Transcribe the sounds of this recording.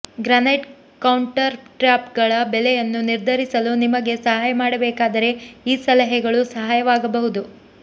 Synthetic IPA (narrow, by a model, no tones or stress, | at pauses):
ɡɾaːneʈ | kɐwɳʈɐɾʈɾjaːpɡɐɭɐbɛlɛjɐnːuniɾd̪ʱɐɾisɐlunimɐɡe̞sɐɦaːjɐmaːɽɐbɛːkaːd̪ɐɾe̞iːsɐlɐɦɛɡɐɭusɐɦaːjɐʋaːɡɐbɐɦud̪u